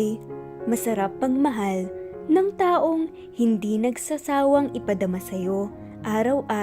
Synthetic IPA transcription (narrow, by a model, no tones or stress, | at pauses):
j | mɐsɐɾap̚ːɐŋmɐɦal | nɐŋt̪aːʔo̞ŋ | hɪnd̪inɐɡsɐsaːwɐŋɪpɐd̪ɐmɐsɐjo̞ | ʔaːɾɐwʔaː